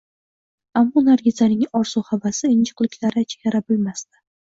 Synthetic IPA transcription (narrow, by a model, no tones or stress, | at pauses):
amːɒnaɾɡʲɪzanɪŋɒɾsuhavasɪɪnt͡ʃɨ̥qlɪkʲlaɾat͡ʃʰe̥kʲaɾabʊlmast̪ɪ̥